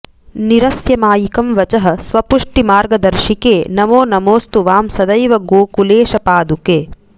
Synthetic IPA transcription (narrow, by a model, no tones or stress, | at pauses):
niɾɐsjɐmaːjikɐmʋɐt͡ʃɐɦɐ̆sʋɐpuʂʈimaːɾɡɐd̪ɐɾʃikeːnɐmoːnɐmoːst̪uʋaːmsɐd̪ɐjʋɐɡoːkuleːʃɐpaːd̪ukeː